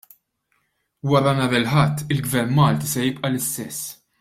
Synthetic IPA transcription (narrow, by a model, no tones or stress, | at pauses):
wɐɾɐnɐɾɛlħɐt̪ʰːɪlɡvɛɾnmɐːlt̪isɛjɪpʼʔɐlɪst̪ɛsː